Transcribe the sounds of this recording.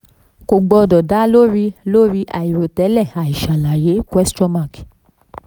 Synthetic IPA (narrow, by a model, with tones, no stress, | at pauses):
ko˨ɡ͡bɔ˧dɔ˨da˨˦lo˦ɾi˧lo˦ɾi˧˦ʔa̰˨i˨ɾo˨tɛ˨˦lɛ˦˨a˨i˨ʃa˨la˨je˨˦kɛ˦stɔ̃˦ma˧˨k